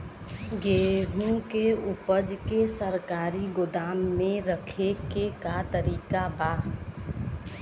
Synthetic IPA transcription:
ɡeːɦũkeʊpəd͡ʒkesəɾkaːɾiɡʊd̪aːmːẽɾəkʰekekat̪əɾiːkabaː

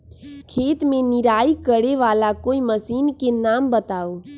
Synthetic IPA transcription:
kʰeːt̪mẽnɪɾaːikəɾeʋaːlakoːiməsiːnkenaːmbət̪aːo

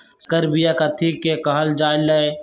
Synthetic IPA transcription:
skəɾbijakat̪ʰikːekɐɦəld͡ʒaːjlɐe

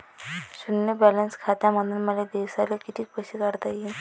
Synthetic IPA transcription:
sunːjəbɛlənskʰat̪aməd̪ʱunməled̪ewsalekit̪ʰiːkpəɕikaɾt̪aji

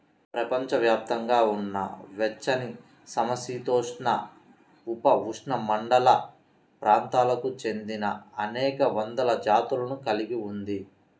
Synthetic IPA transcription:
pɾɐpɐɲt͡ʃɐʋjaːp̚t̪ɐŋɡaːunːɐ̰ʋɛt͡ʃːɐni | sɐmɐsiːt̪oːʂɳɐ̰ | upɐʋuʂɳɐmɐɳɖɐlɐ | pɾʔaːnt̪aːlɐkut͡ʃe̞nd̪inɐɐnɛːkɐʋɐnd̪ɐlɐd͡ʒaːt̪ulɐnukɐliɡiund̪i

